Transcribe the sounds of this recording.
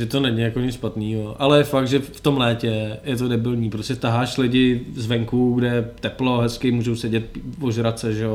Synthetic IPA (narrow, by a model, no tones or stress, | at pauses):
ʒɛt̪onɛɲɪjakoɲɪt͡sʃpat̪niːɦoʔalɛjɛfak̪̚ʒɛft̪o̞mlɛːcɛjɛt̪̬odɛbɪlɲiːpɾoscʲɛt̪aɦaːʃlɪɟɪzvɛŋkuɡdɛjɛt̪ɛplo̞ɦɛskɪmuːʒowsɛɟɛt̪̚voʒɾat͡sɛʒɛjo